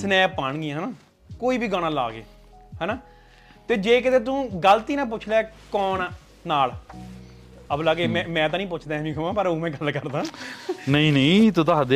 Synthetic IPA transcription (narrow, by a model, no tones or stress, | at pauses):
snɛːpaːɳɡɪãːɦnaː | koːiːbiːɡəɽ̃ãːlaːɡḛː | ɦɛːnaː | t̪eːd͡ʒeːk̬ɪt̪eːt̪ũːɡəlt̪iːnãːp̬ʊt͡ʃʰlaːkɔːɳ | naːl | əblaːɡeːmɛ̃ːmɛ̃ːt̪ãːnĩːpʊt͡ʃʰd̪ãːmĩːkʰəmãːpəɾõːmɛ̃ːɡəlkəɾd̪aːnəĩːnəĩːt̪ʊt̪aːd̪e